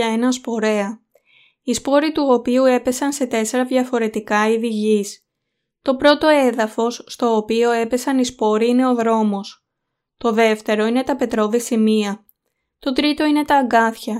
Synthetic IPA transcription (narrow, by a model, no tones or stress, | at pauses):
ɐenɐnspo̞ɾe̞ɐ | ispo̞ɾit̪uopiue̞pe̞sɐnse̞t̪e̞se̞ɾɐðʝɐfo̞ɾe̞t̪ikɐiðiʝis | t̪o̞pɾo̞t̪o̞e̞ðɐfo̞sːt̪o̞ːpio̞e̞pe̞sɐnispo̞ɾiine̞o̞ðɾo̞mo̞s | t̪o̞ðe̞ft̪e̞ɾo̞ine̞t̪ɐpe̞t̪ɾo̞ðisimiɐ | t̪o̞t̪ɾit̪o̞ine̞t̪ɐːŋɡɐθçɐ